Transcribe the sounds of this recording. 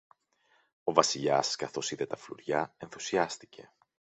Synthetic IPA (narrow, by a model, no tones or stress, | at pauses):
o̞vɐsiʎɐskɐθo̞siðe̞t̪ɐflṵɾʝɐe̞nθusiɐst̪ice̞̰